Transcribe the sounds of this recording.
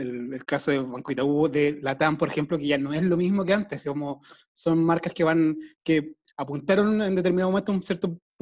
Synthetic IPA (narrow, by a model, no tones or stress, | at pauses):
elelkasoðefaŋkwit̪auoðelat̪ampoɾexe̞mplokeʝanoezlomizmokeant̪eskomo | so̞nmaɾkaskeβanke | apunt̪aɾonend̪et̪̬eɾminaðmment̪ounsjeɾt̪o